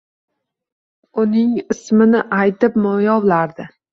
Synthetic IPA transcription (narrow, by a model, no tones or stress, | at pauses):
ʊnɪŋɪsmɪnɪʔajt̪ɪp̚mɒjɒwlaɾd̪ɪ